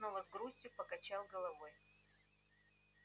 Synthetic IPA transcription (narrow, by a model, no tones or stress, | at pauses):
novəzɡɾusʲtʲjʊpəkɐt͡ɕalˠɡəlˠɐvoj